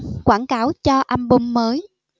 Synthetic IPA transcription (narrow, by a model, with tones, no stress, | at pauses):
kwaː˧˩nkaː˨˦wt͡ɕɔ˧ʔa˧mɓo˧mːəː˨˦j